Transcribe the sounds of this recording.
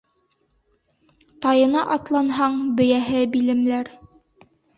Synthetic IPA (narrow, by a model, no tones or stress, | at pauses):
t̪ɑjɤ̆nɑʔɑt̪lˠɑnɦɑɴbɵ̆jæɦɘbilɘ̆mlæɾ